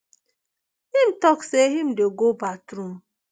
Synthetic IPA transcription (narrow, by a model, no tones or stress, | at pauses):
him̩tɔkseɦim̩deɡobatɾum̩